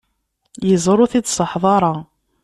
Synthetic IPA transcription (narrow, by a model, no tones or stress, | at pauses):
jəzˤɾˤʊθid̪səħðˤɑɾˤɑ